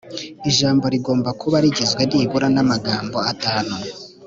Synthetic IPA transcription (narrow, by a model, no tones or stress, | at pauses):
iʒaːmbo̞ɾiɡo̞ːmbakʰuβaɾiɟizɡweniβuɾanamaɡaːmbo̞ataːnu